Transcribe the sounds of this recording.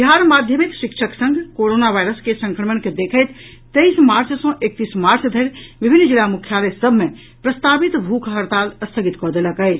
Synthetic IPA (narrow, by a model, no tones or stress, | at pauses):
biɦaɾmad̪ʱjəmik̪ʃikʃʰəksə̃ŋɡkoɾonabʱajɾəskesə̃ŋkɾəmənked̪ekʰəjt̪ | t̪əjsmaɾt͡ʃsɔ̃ʔek̚t̪ismaɾt͡ʃd̪ʱəɾbibʱinːd͡ʒilamukʰjalesəbʱme | pɾəst̪abit̪bʱukʰɦəɾt̪aləst̪ʰəɡit̪kɔd̪eləkəjt͡ʃʰ